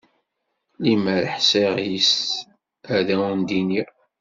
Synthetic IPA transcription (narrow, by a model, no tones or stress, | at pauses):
liməɾħsiʁjis | æðæund̪ini